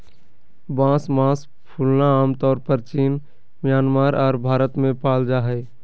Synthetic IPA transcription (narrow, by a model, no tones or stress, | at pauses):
bãːsmãːs | pʰuːlnaaːmt̪ɔːɾpəɾt͡ʃiːn | mjaːnmaːɾɔːɾbʱaːɾət̪mẽpaːld͡ʒaːɦɛ